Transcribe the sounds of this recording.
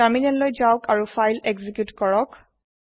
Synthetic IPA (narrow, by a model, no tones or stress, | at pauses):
aminɛllojzawkaɹufajlɛɡzikjutkɔɹɔk